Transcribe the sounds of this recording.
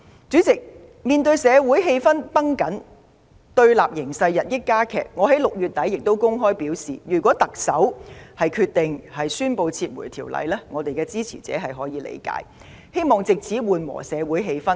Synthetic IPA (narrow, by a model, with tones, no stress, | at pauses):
t͡syː˨˥t͡sɪ˨k̚ | miː˨nt̪ɵ˧ɥsɛː˨˧wuː˨˥jɦe˧jfɐ˥npɐ˥ŋkɐ˨˥n | t̪ɵ˧ɥlaː˨p̚jɪ˨˩ŋsɐ˧jjɐ˨t̚jɪ˥kːaː˥kʰɛ̰ː˨˩k̚ŋɔː˨˧ɦɐ˨˥jlʊ˨k̚jyː˨t̪ːɐ˨˥jːɪ˨k̚t̪o˥wkʊ˥ŋɦɔː˥jpiː˨˥wsḭː˨˩jyː˨˩kʷɔː˨˥t̪ɐ˨k̚sɐ˨˥whɐ˨jkʰyː˧t̚t̪ɪ˨ŋhɐ˨jsyː˥npo˧wt͡sʰiː˧t̚mṵ˨˩jt̪ʰiː˨˩wlɐ̰˨˧jlɛː˥ŋɔː˨˧t̪e˨jkɛː˧t͡siː˥t͡sʰḭ˨˩t͡sɛ̰ː˨˥ɦɐ˨jɦɔː˨˥jiː˨˧lḛ˨˧jka̰ː˨˥j | he˥jmɔː˨ŋt͡sɪ˨k̚t͡sʰiː˨˥wuː˨nwɔ̰ː˨˩sɛː˨˧wuː˨˥jɦe˧jfɐ˥n